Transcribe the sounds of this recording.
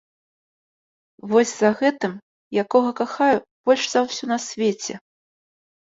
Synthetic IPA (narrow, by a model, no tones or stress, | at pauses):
vɔsʲzɐɣɛt̪ɨm | jakɔɣɐkaxajub̥ɔlʲʂzawsʲunɐsʲvʲet͡sʲɛ̰